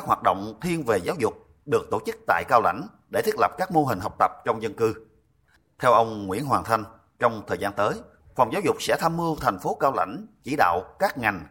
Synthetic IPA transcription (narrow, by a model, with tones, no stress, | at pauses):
ka˦˥k̚hwaː˨˩t̚ɗo̰˧˨wŋ͡mt̪ʰi˧ənve˨˩zaː˨˦wzʊ˨˩k͡p̚ | ɗɨ˨˩ək̚t̪o˧˩t͡ɕɨ˦˥k̚t̪a̰ː˧˨jkaː˧wla̰˧˥jŋ̟ | ɗe˧˩t̪ʰi˦˥k̚lə˨˩p̚kaː˦˥k̚mo˧ɦï˨˩ŋ̟ɦə˨˩k͡p̚t̪ə˨˩p̚t͡ɕɔ˧wŋ͡mzə˧nkɨ˧ | t̪ʰɛ˧wʔə˧wŋ͡mŋwḭ˧˥ənɦwaː˨˩t̪ʰa˧jŋ̟ | t͡ɕɔ˧wŋ͡mt̪ʰəː˨˩jzaː˧nt̪əː˨˦j | fɔ˨˩wŋ͡mzaː˨˦wzʊ˨˩k͡p̚sɛ̰˧˥t̪ʰaː˧mːɨ˧ət̪ʰa˨˩ŋ̟fo˨˦kaː˧wla̰˧˥jŋ̟t͡ɕi˧˩ɗa̰ː˧˨wkaː˦˥k̚ŋa˨˩jŋ̟